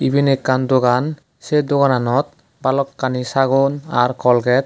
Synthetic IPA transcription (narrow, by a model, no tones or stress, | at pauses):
ibʱinekːandoɡan | sedoɡananɔt̪̚ | balɔkːanisaɡunaɾkʰɔlɡɛt̪̚